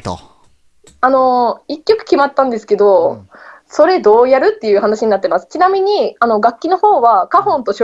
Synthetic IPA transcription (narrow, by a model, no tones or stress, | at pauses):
ano̞ikʲːo̞kɯ̟̥kʲimat̪ːãnd̪e̞sɨ̥ke̞d̪o̞ | so̞ɾe̞d̪o̞ːjaɾɯ̟t̪ːe̞jɯ̟ːhanaɕiɲ̟inat̪ːemasɨ̥t͡ɕinamʲiɲ̟iano̞ɡakʲːino̞ho̞ːβakahõ̞nt̪o̞ɕo